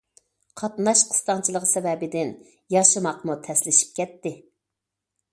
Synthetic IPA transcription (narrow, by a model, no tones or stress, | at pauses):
qʰɑt̪nɑʃqʰə̥st̪ɑŋt͡ʃʰilˠəʁsɛvɛbɪd̪ɪn | jɑʃɨmɑqmut̪ʰɛslɪʃi̥p̚kʲʰɛt̪ːɪ